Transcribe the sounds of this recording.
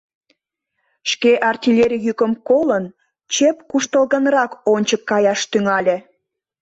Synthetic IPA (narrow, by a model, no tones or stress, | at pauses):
ʃkeʔɑrt̪ʲilʲeɾʲijykəmkolən | t͡ɕepkuʃt̪əlɣənrɑkonʲt͡ɕəkːɑjɑʃt̪yŋɑlʲe